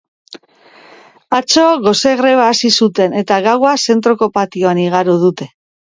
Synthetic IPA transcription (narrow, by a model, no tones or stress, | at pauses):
at͡ʃo̞ɣo̞seɣɾe̞β̞aːsisut̪e̞ne̞t̪aɣawase̞nt̪ɾo̞ko̞pat̪io̞aniɣ̞aɾuð̞ut̪e̞